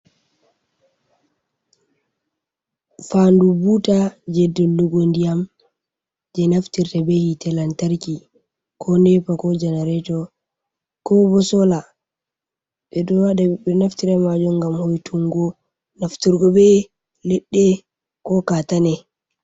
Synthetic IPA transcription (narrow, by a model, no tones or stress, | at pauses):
fandubutad͡ʒɛdːɛlːuɡondijam | d͡ʒɛnaftiɾtabɛhitɛlantaɾki | kʰɔnɛpakɔd͡ʒɛnɛɾɛtɔ | kɔbɔsɔla | ɓɛɗɔaɗabɛnaftiɾamad͡ʒumɡamhojtʰuŋɡɔ | naftiɾɡɔbɛ | lɛɗːɛ | kɔkatanɛ